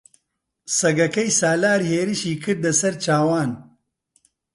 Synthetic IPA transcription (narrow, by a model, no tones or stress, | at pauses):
sɐɡɐkɐjsaːlaːɾheːɾɨʃiːkʰɨɾd̪lɐsɐɾt͡ʃaːwaːn